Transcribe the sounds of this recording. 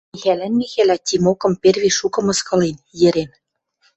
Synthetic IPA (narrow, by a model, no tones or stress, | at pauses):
iɣælænːiɣælæt̪ʲimokɤ̆mperβʲiʃukɤ̆mɤ̆skɤ̆lenjɘ̆ɾen